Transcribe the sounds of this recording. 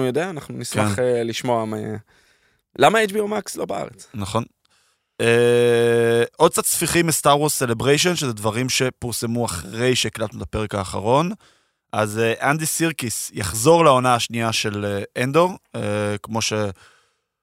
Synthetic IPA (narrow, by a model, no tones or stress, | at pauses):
ujod̪eaːnaχnuniskmaχeliʃmoama | lamaejt͡ʃbiomakslo̞bea̰ʁet͡snaχo̞n | e | ʔod̪̚t͡sad̪sfiχimestaʁwozse̞le̞bʁejʃ̬o̞nʃezedvaʁimʃepiʁse̞muaχʁe̞jʃeːklat̪nutape̞ʁekaːχa̰ʁo̞n | ʔazeʔand̪isiʁkisjaχzo̞ʁlao̞naːʃniaʃe̞leʔend̪o̞ʁekmo̞ʃe̞